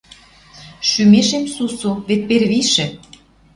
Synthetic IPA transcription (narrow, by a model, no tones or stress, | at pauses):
ʃymeʃemsusuβet̪̚perβiʃɘ̆